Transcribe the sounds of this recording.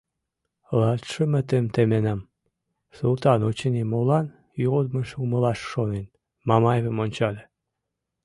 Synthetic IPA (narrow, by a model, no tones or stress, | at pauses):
lɑt̪ʃə̆mə̆t̪emt̪emenæm | sulˠt̪ɑnot͡ɕənimolɑn | jod̪mə̆ʃuməlɑʃːonen | mɑmɑjeβemonʲt͡ɕɑlʲe